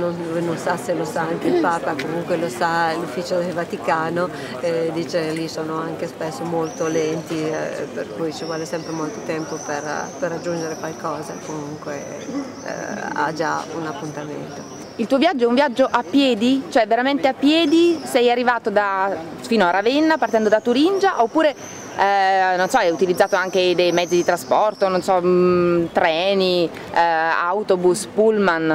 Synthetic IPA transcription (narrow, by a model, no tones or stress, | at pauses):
nonvnonsaselosaaŋkeilpaːpakomuŋkwelosalufːiːt͡ʃod̪elvat̪ikaːno | ɛd̪iːt͡ʃelisoːnoaŋk̟espesːomolt̪olɛnt̪ḭperkujt͡ʃivwɔːlesɛmpɾemolt̪ot̪ɛmpoperperːad͡ʒːund͡ʒeɾekwalkɔːza̰komuŋkwḛ | a̰d͡ʒa̰unapːunt̪amḛnt̪o | ilt̪uːovjad͡ʒːoɛuɱvjad͡ʒːoʔapːjɛːd̪it͡ʃoɛveɾament̪eapːjɛːd̪isɛjarːivaːt̪od̪a | fiːnoaravɛnːapart̪ɛnd̪od̪at̪uɾind͡ʒaʔopːuːɾe | nonsɔɛjut̪ilid̪zːaːt̪oaŋk̟ed̪ejmɛd̪zid̪it̪ɾaspɔrt̪ononsɔ | t̪ɾɛːni | a̰wt̪obuspulman